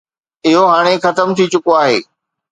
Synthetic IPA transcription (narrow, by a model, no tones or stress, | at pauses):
ɪɦoɦaːɽ̃exɐt̪əmt̪ʰit͡ɕʊkoaːɦeː